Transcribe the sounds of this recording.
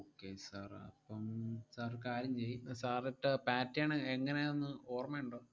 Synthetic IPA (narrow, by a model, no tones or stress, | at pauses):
oːkːesaːrɐ̰pːɐmsaːrkaːɾjɐmt͡ɕejːisaːriʈːɨpaːtːjaːɳɨeŋːɐne̞onːɨoːrmeːuɳɖoː